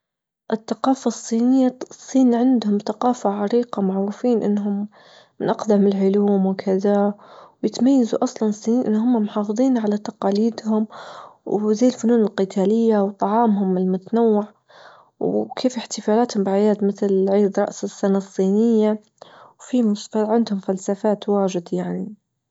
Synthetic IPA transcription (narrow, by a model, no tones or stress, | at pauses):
ʔɪθːaqɑːfasˤːiːnɪjːasˤːiːnʕɪnd̪hʊmθaqɑːfaʕɑɾiːqamʊʕɾufiːnʔɪ̰nːɦʊmː | ɪnʔɑqd̪amɪlʕʊluːmwkʰɪðawjɪt̪majːazuʔɑsˤlɑnsˤːiːniːnʔɪ̰nːɦʊmːamʊħɑːfɨðˤiːnʕalat̪ɑqɑːliːd̪hʊmwzajːɪlfʊnuːnɪlqɪt̪ʰaːlɪjːawt̪ˤɑʕɑːmɦʊmɪlmʊt̪anawːɪʕ | wkʰeːfɪħt̪ɪfaːlaːt̪hʊmbɪʕajaːd̪mɪθlʕiːd̪ɾˤɑ̰ʔsɪsːanasˤːiːnɪjːa | wfimʊsfaʕɪnd̪hʊmfalsafaːt̪waːʒɪd̪jaʕni